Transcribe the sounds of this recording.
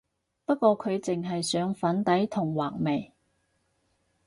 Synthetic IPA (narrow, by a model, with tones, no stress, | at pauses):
pɐ˥t̚kʷɔː˧kʰɵ˨˧ɥt͡sɪ˨ŋɦɐ˨jsœː˨˧ŋfɐ˨˥nt̪ɐ˨˥jt̪ʰʊ˨˩ŋwaː˨˩k̚me˨˩j